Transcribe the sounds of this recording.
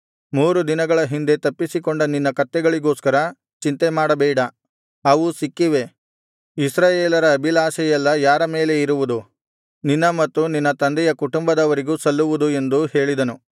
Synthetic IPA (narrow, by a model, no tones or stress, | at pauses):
muːɾud̪inɐɡɐɭɐɦind̪e̞t̪ɐpːisikoɳɖɐninːɐkɐt̪ːɛɡɐɭiɡo̞ːskɐɾɐ | t͡ʃint̪emaːɽɐbɛːɽɐ | ɐʋusikːiʋe̞ | isɾaːjeːlɐɾɐːbilaːsɐjɛlːɐjaːɾɐme̞ːle̞iɾuʋud̪u | ninːɐmɐt̪ːuninːɐt̪ɐnd̪ɛjɐkuʈumbɐd̪ɐʋɐɾiɡuːsɐlːuʋud̪ue̞nd̪uhe̞ːɭid̪ɐnu